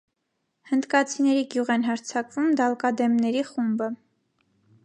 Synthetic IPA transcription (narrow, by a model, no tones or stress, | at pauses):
hənd̪kɑt͡sʰinɛɾiɡjuʁɛnɦɑɾt͡sʰɑkvumd̪ɑlkɑd̪ɛmnɛɾiχumbə